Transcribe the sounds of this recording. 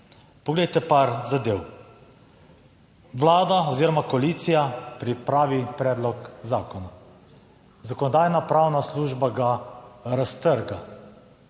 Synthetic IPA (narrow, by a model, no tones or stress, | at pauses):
pɔɡlejt̪ɛpaɾzad̪ew | ʋlaːd̪aɔziːɾɔmakoliːt̪sijapɾipɾaːʋipɾɛːd̪lɔkzaːkɔna | zakɔnɔd̪aːjnapɾaːwnasluːʒbaɡaɾast̪əɾɡa